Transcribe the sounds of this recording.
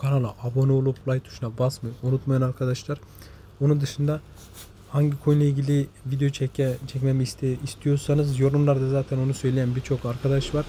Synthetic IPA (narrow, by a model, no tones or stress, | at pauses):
kʰanalˠaʔabo̞nuolˠuplˠajt̪ʰːu̥ʃunabasmɯunut̪majanaɾkʰad̪aʃlˠaɾ | onund̪ɯʃɯnd̪a | haɲɟikʰojlˠailʲɟilʲivid̪ejot͡ʃʰɛt͡ʃʰɛcmɛmiːst̪ʰeist̪ʰijo̞ɾsanɯzjo̞ɾumlˠaɾd̪azaːt̪ʰæno̞nusø̞jlʲejænbiɾt͡ʃʰo̞kaɾkʰad̪aʃvaɾ̥